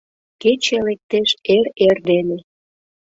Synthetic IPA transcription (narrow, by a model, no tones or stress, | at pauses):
ket͡ɕelek̚t̪eʃeɾerd̪ene